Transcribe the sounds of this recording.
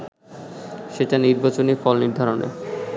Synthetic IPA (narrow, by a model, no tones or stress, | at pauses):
ʃeʈaniɾbat͡ɕonifɔlniɾd̪ʱaɾonʔḛ